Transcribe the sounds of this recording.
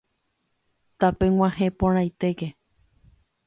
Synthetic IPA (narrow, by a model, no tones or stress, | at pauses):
t̪apẽw̃ʷãhẽpõɾ̃ãjt̪eɡe